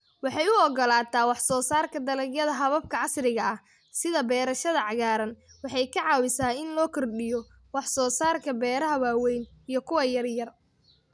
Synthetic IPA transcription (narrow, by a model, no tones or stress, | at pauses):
wɑħɑjʊɔɡɔlaːt̪ʰaːwɑħsɔːsaːrkʰɐd̪ɐlɐɡjɐðɐɦɐβɐb̚kʰɐʕɑsrɪɣɐɐh | sɪðɐbɛːɾɐʃɐðɐʕɑɣaːɾɐnwɑħɑjkʰɐʕɑːwɪsaːɪnlɔːkʰɔrɗɪjɔ | wɑħsɔːsaːrkʰɐbɛːɾɐɦɐwaːwɛjnijɞkʰʊwɐjɐrjɐr